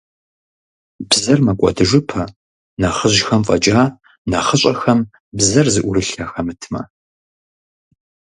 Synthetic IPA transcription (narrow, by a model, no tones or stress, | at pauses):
bzɐrmɐkʷʼɔ̰dɨʐʷɨpʰɐ | nɐχəʑxɐmfʼɐ̰t͡ʃʼaː | nɐχəɕʼɐxɐm | bzɐrzɨʔʷʊɾɨɬɐxɐmɨtʰmɐ̰